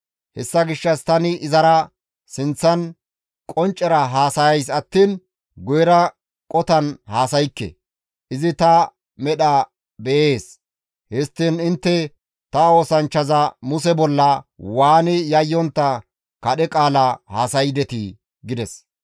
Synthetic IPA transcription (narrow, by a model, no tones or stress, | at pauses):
hɛsːɐɡɪʃːɐst̪ɐnɪʔɪzɐɾɐ | sɪnt͡sːɐn | kʼɔnt͡ʃʼːɛɾɐɦaːsɐjɐjs̬ɐt̪ːiːn | ɡʊjɛɾɐ | kʼɔt̪ɐnhaːsɐjkːɛ̰ | ʔɪzɪt̪ɐ | mɛɗɐ | bɛʔeːs | hɛst̪ːinɪnt̪ːɛ | t̪ɐo̞ːsɐnt͡ʃːɐzɐmʊsɛbɔlːɐwaːnɪjɐjːɔnt̪ːɐ | kɐɗɛkʼaːlɐhaːsɐjd̪ɛt̪ɪ | ɡɪd̪ɛs